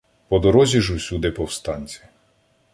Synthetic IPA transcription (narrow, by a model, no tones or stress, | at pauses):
pɔd̪ɔɾɔzʲiʒusʲud̪ɪpɔwst̪ɑnʲt͡sʲi̥